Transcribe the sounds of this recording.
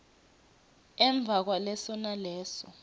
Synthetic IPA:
ɛɱb̪vʱak̬walɛsɔnalɛːsɔ

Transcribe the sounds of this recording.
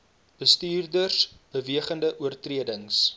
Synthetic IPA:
b̥əstyːrdərsb̥əviəχəndəʔuərtriədəŋs

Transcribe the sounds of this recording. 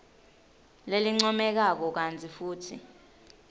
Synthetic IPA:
leliŋ͡ǀɔmɛk̬ak̬ɔk̬ant͡sʰʼifuːtʰḭ

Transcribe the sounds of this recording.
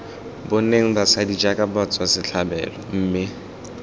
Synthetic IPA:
bʊneŋ̩basadid͡ʒakʼabat͡sʰʼwasɪɬʰabɛ̰ːlɔm̩ːmɪ

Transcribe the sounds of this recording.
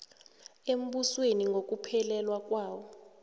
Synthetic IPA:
em̩ɓusweniŋɡʱok̬ʼupʰɛlɛlwak̬ʼwaːwɔ

